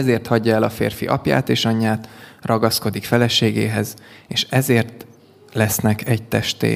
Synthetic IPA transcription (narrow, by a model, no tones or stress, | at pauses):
ɛzeːrt̪hɒɟːɒɛlɒfḛːrfḭʔɒ̰pja̰ːt̪eːʃɒɲːaːt̪rɒɡɒsko̞d̪ikfɛlɛʃeːɡḛːɦɛzeːʃɛzeːrt̪ | lɛsnɛkɛɟt̪ɛʃt̪ḛː